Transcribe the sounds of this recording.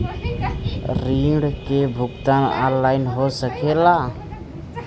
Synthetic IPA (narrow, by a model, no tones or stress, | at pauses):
ɾiɖkebʱʊkt̪ana̰nlaɪnɦosəkʰela